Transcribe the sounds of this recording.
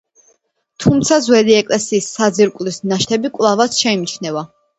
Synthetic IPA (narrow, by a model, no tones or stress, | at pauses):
t̪ʰumt̪sʰazwɛd̪iɛkʼlɛsiːsːad̪ziɾkʼlisnaʃt̪ʰɛbikʼwlˠavasʃɛimt͡ʃʰnɛva